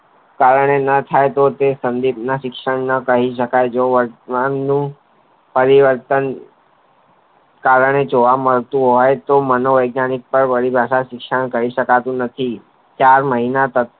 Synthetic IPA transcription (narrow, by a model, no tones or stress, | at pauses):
kaɾəɳenət̪ʰajt̪ot̪esənd̪ibnaʃɪkʃəɳnəkəɦiʃ̬əkajd͡ʒoʋəɾannũ | pəɾiʋəɾt̪ən | kaɾəɳ̃ed͡ʒoʋaməɭt̪ũɦɔjt̪omənoʋəjɡnanik̚pəɾʋəɽibʱaʃaʃɪkʃəɳkəiʃəkat̪ũnət̪ʰi | t͡ʃaɾməɦinat̪ə